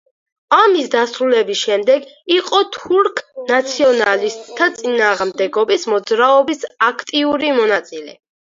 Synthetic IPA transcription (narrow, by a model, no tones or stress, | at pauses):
amisd̪asɾulɛbisʃɛmd̪ɛɡiqʼɔt̪ʰuɾkʰnat̪sʰiɔnalist̪ʼʰːat̪sʼinaːʁmd̪ɛɡɔbismɔd̪zɾaɔbisakʰt̪ʼiuɾimɔnat̪sʼilɛ̰